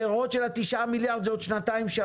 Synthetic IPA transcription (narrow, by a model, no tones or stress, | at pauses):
eʁod̪ʃelat̪iʃamiljaʁd̪zod̪ʃnat̪aimʃa